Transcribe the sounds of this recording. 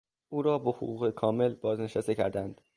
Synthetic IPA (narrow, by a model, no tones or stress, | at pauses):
ʔuːɾɒːboho̰ɣuːɣekʰɒːme̞lbɒːzne̞ʃæst̪e̞cʰæ̰ɾd̪ænd̪̥